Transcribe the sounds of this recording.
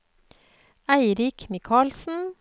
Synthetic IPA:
æɪɾɪkmɪkʰɑːlsn̩

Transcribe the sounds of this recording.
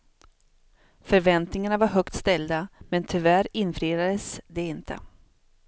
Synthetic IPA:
fœɾvɛnt̪nɪŋaɳavaɾɦœkt̪st̪ɛld̪amɛnt̪ʰʏvæɾɪnfɾiːd̪ad̪əsd̪ɛɪnt̪ʰə̰

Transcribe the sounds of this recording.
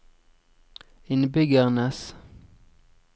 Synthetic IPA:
ɪnbʏɡəʁnəs

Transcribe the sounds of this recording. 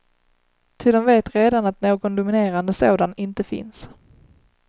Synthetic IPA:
t̪ʰɪld̪ɔmveːt̪ɾeːd̪anat̪noːɡɔnd̪ʊmɪneːɾand̪əsoːd̪anɪnt̪əfɪ̰ns

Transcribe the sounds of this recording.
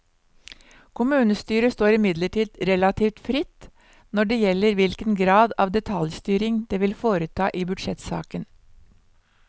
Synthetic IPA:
kʰʊmʉːnəst̪yːɾəst̪oːɾɪmɪd̪ləʈiːd̪ɾɛlɑt̪ʰiːft̪fɾɪt̪ | nɔɖɛːjɛlːəɾʋɪlkənɡɾɑːd̪ɑːʋd̪ɛt̪ʰɑljst̪yːɾɪŋd̪̥eːʋɪlfoːɾət̪ʰɑːʔiːbʉd̪ʂɛt̪sɑ̰ːkən

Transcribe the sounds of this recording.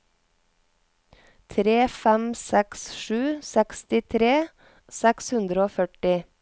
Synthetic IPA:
t̪ʰɾeːfɛmsɛksʃʉːsɛkst̪ɪt̪ʰɾeː | sɛkshʉnd̪ɾəoːfœʈɪ

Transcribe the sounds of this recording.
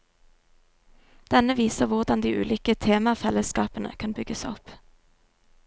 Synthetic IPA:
d̪̥ɛnəʋiːsəʁʋʊʁd̪ɑnd̪iːʔʉ̰ːlʏːkət̪ʰeːmɑfɛləskɑ̰ːpənʔə̰kʰɑnbʏɡəsɔp

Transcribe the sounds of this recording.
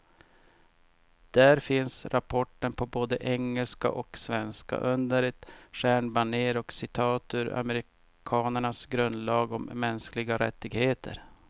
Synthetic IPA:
d̪̥æːɾfɪnsɾʔapʰɔʈːənpʰɔboːd̪əʔɛŋːəlska̰ʔɔksvɛnska̰ʔɵnd̪əɾɛt̪ɧæːɳbaɳeːɾɔksɪt̪ʰɑːt̪ʰɵɾa̰məɾɪ | kʰɑːnəɳasɡɾɵnd̪lɑːɡɔmːɛnsklɪɡaɾɛ̰t̪ːɪɡheːt̪ʰə̰ɾ

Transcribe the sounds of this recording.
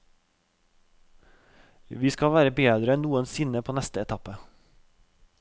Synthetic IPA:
ʋiːskɑʋæːɾəbeːd̪ɾəɛnnuːənsɪnəpʰoːnɛst̪əɛt̪ʰɑpə

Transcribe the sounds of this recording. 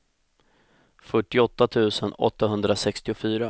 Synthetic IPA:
fœʈːɪɔt̪ːat̪ʰʉ̟ːsənɔ̰t̪ːaɦɵnd̪ɾasɛkst̪ɪʊfyːɾa

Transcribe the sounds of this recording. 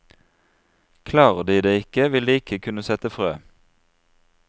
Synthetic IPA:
kʰlɑːʁəd̪iːd̪eːɪkəʋɪld̪iːɪkʰəkʰʉnəsɛt̪əfʁø̰ː

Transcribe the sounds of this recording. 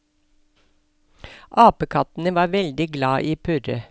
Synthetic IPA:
ʔɑːpəkʰɑt̪n̩əʋɑːɾʋɛld̪ɪɡlɑːʔiːpʰʉɾə

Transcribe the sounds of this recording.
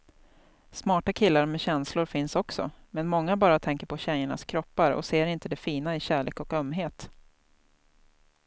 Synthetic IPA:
smɑːʈakʰɪlːaɾmɛɕɛnslʊɾfɪnsɔksɔ̰mɛnmɔŋːabɑːɾat̪ʰɛŋkəɾpʰɔɕɛjəɳa̰skʰɾɔpːaɾɔ̰seːɾɪnt̪əd̪ɛfiːnaɪɕæːɭḛːkɔkœmːɦeːt̪

